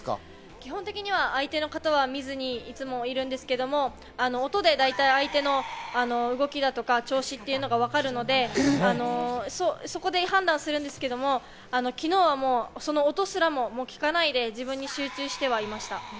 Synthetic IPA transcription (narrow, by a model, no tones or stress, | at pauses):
kʲiɦõ̞nt̪e̞kʲiɲ̟iβ̞aʔait̪e̞no̞kat̪aβ̞amʲizɨɲ̟iːt͡sɨmo̞iɾɯ̟̃nd̪e̞sɨ̥ke̞d̪o̞mo̞ | ano̞ːt̪o̞d̪e̞d̪ait̪aiait̪e̞no̞ano̞ɯ̟ɡo̞kʲid̪at̪o̞kat͡ɕo̞ːɕit̪ːe̞iɯ̟no̞ɡaβakaɾɯ̟no̞d̪e̞ano̞soso̞ko̞d̪e̞hãnd̪ãɰ̃sɨɾɯ̟̃nd̪e̞sɨ̥ke̞d̪o̞mo̞ | ano̞kʲino̞ːβamo̞ːso̞no̞ːt̪o̞sɨɾamo̞mokʲi̥kanaid̪e̞ʑibɯ̟̃ɲ̟ːiɕɨːt͡ɕɨːɕi̥t̪e̞β̞aimaɕi̥t̪a